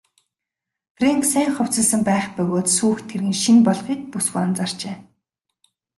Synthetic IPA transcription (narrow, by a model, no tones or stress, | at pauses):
freŋksæːŋχʊw̥ʲt͡sə̆ɮsə̆mpæːχpʊɣoːt̪suːxt̪ʰerɣɘ̆nʃinpɔɮχiːk̚puswa̰ːnt͡sar̥t͡ɕeː